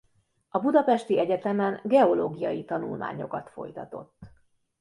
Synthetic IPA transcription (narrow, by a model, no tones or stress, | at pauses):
ɒbud̪ɒpɛʃt̪iɛɟɛt̪ɛmɛŋɡɛo̞loːɡijɒjit̪ɒnṵlmʔa̰ːɲo̞̰kɒt̪fo̞̰jt̪ɒt̪o̞̰t̪ː